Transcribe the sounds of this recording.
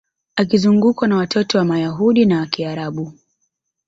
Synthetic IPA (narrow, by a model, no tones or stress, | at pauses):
akizuŋɡukwanawatʰɔtɔwamajaɦuɗinawakiaɾaɓu